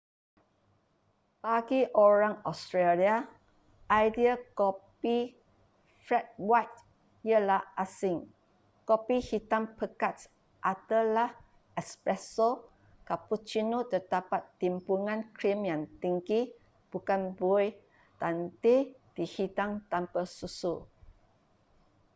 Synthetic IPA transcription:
b̥aɡiʔoɹãŋɔst̪ɹelia | ʔajdiakɔpi | fɹɛt̚wajt̚ | jəlahʔasiŋ | kɔpihit̪ãŋpəkats | ʔat̪alah | ɛkspɹɛso | kaput͡ʃinot̪ədapat̪ːimpuŋãnkɾimjãŋt̪iŋɡi | b̥ukanboj | t̪anted̥ihitaŋt̪ampəsusu

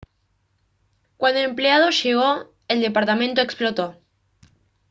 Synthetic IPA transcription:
kwand̪oempleað̞o̞ʃeɣ̞o | eld̪e̞paɾt̪amẽnt̪oe̞ksplot̪o

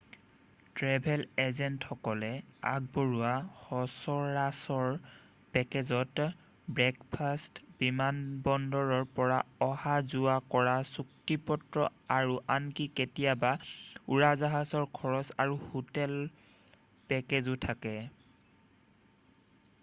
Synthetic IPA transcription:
tɹɛbʱɛlezɛntxɔkɔlɛa̰ɡ̚boɹuwahɔsɔɹasɔɹ | pɛkezɔt | bɹɛkpʰastbimanbɔndɔɹɔɹpɔɹaɔhazuakɔɹasuktipɔtɹɔ̰aɹuʔankiketijabauɹazaɦasɔɹkʰɔɹɔsaɹuhotɛl | pɛkezʊtʰakɛ

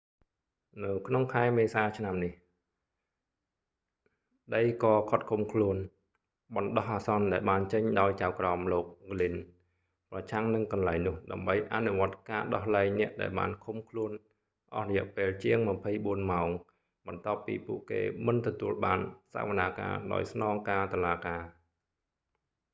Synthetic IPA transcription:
nɨwkʰnoŋkʰaɛmeːsaːt͡ɕʰnamnih | ɗəjkɑːkʰot̪̚kʰumkʰluən | ɓɑnɗɑhʔaːsɑnɗaɛlɓaːnt͡ɕəɲɗaɔjt͡ɕawkraɔmloːk̚ɡlin | prɑt͡ɕʰaŋnɨŋkɑnlaɛŋnʊ̆əhɗa̰ɛmɓəjʔanuʋŏət̪̚kaːɗɑhlaɛŋnɛ̆əʔɗa̰ɛlɓa̰ːnkʰumkʰluən | ʔɑhrɑjɛ̆əʔpeːlt͡ɕiəŋmăpʰəjɓuənmaɔŋ | ɓɑnt̪ŏəpːḭːpuəʔkḛːmɨnt̪ɔt̪uəlɓaːnsa̰əʋənaːka̰ːɗa̰ɔjsnɑːŋkaːt̪oəlaːkaː

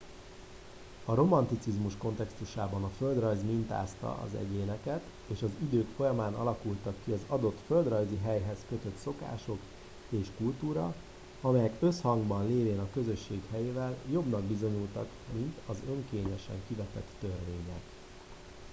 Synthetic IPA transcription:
ɒɾo̞mɒnt̪it̪sizmuʃko̞nt̪ɛkst̪uʃaːbɒnɒfø̞ld̪rɒjzmint̪a̰ːst̪ɒ̰ʔɒ̰zɛ̰ɟeːnɛkɛt̪ | eːʃɒzid̪øːkfo̞jɒmaːnɒlɒkult̪ɒkːiɒzɒd̪o̞t̪fø̞ld̪rɒjziɦɛjɦɛskø̞t̪ø̞t̪so̞ka̰ːʃo̞k | eːʃkult̪uːɾɒ̰ | ɒmɛjɛkø̞shɒŋɡbɒnleːveːnɒkø̞zø̞ʃːeːkhɛjeːvɛljo̞bnɒɡ̚bizo̞ɲult̪ɒ̰k | mint̪ɒzø̞ŋkeːɲɛʃɛ̰ŋkivɛt̪ɛ̰t̪ːørveːɲɛk

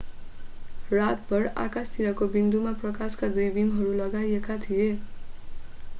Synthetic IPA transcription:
rat̪bʌɽa̰kast̪ʰiɾʌkobind̪umaprʌkaskad̪ujbimɦʌɾulʌɡajekat̪ʰije

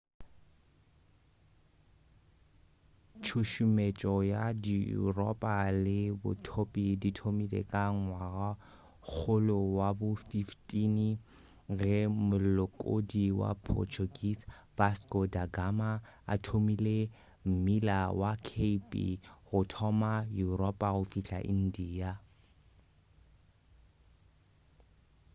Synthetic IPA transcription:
t͡ʃʰuʃumet͡ʃʼɔjadiṵrɔpʼalɪbʊ̰tʰopʼiditʰomilḛkʼaŋwaɣa | k͡xʰʊlʊwabʊfiftʼini | ɣɛmʊllɔkʼo̰diwa̰pʰɔ̰t͡ʃʰuɡisb̥askʼɔdaɡama | a̰tʰomile | m̩milawakʰeipʼḭɣʊtʰɔmajurɔpʼaɣʊfiɬa̰ʔḭn̩diːa

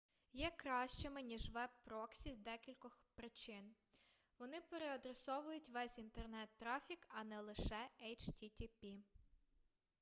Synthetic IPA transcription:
jɛkɾɑʃt͡ʃemɪnʲiʒʋɛb̚pɾɔksʲizd̪ɛkʲilʲkɔxpɾɪt͡ʃɪn | ʋɔnɪpeɾeɐd̪ɾesɔʋʊjʊtʲʋɛsʲint̪ernɛt̪ːɾɑfʲikɐnɛlˠɪʃɛɛjt͡ʃtʲitʲipʲi

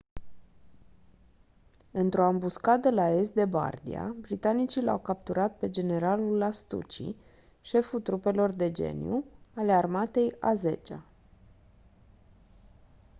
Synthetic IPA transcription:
ɨnt̪ɾo̞ambuskad̪əlae̞s̬t̪̚d̪e̞ba̰rd̪ḭa̰bɾit̪anit͡ʃila̰wkap̚t̪uɾat̪̚pe̞d͡ʒe̞ne̞ɾalulast̪ṵt͡ʃḭ | ʃe̞fut̪ɾupe̞lo̞rd̪e̞d͡ʒe̞̰njuale̞armat̪e̞jaze̞̰t͡ʃa̰

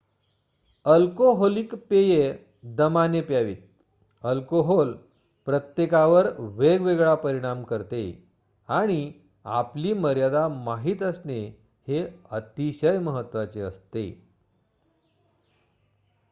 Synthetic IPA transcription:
əlkoɦɔlikpeje | d̪əmanepjaʋḭːt̪̚ | əlkoɦol | pɾət̪jekaʋəɾʋeɡʋeɡɭapəɾiɽ̃amkəɾt̪ḛ | aɽ̃i | a̰pliːməɾjad̪amaɦiːt̪əsne | heət̪iɕəjməɦət̪ːʋat͡seə̰st̪ḛ

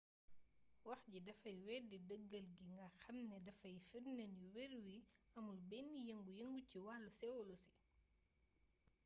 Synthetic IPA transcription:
wɐxɟidɐfɐjwɛːdidəɡːɐlɡiŋɡaxɐmnɛdɐfɐjfirnɛniwɛɾwiɐmulbɛnːijɐŋɡujɐŋɡuciwalːusɛwɔlɔsi̥

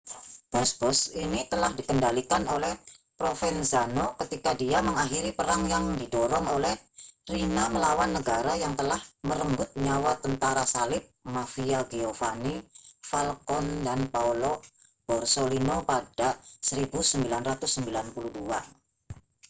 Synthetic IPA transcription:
b̥ɔsb̥ɔsinit̪əlahdikəndalikanolɛhpɾofɛnzanokət̪ikadiaməŋaxiɾipəɾaŋjaŋdidɔɾɔŋolɛhrinaməlawanːəɡaɾajaŋt̪əlahməɾəmbʊt̪̚ɲawat̪ənt̪aɾasalɪp̚mafiaɡiofanifalkɔndanpaulo | b̥ɔrsolinopadasəɾibusəmbilanrat̪ʊsːəmbilanpuluhdua

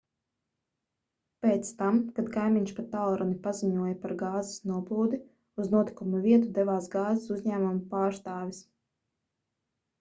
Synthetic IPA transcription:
peːt̪st̪amkad̪kajmiɲʲʃpat̪ːalˠɾɔnipaziɲuɔjapaɾɡaːzɪ̥snuɔplˠuːd̪i | uznuɔt̪i̥kumuvʲiɛt̪ud̪ɛvaːsɡaːzesuzʲɲæːmumupaːɾst̪aːvʲis

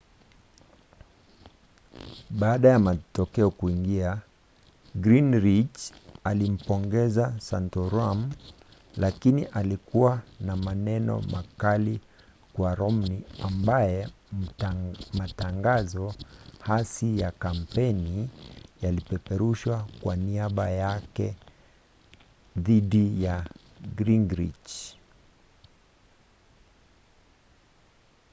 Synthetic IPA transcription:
ɓaːɗajamatɔkɛɔkuiŋɡia | ɡɾinɾit͡ʃalim̩pɔŋɡɛzasantɔɾam | lakiniʔalikuwanamanɛnɔ̰makali | kwaɾɔmniambajɛ | mataŋɡazɔhasijakam̩pɛnijalipɛpɛɾuʃwakwaniaɓajakɛ | ðiɗija | ɡɾiŋɡɾḭt͡ʃ

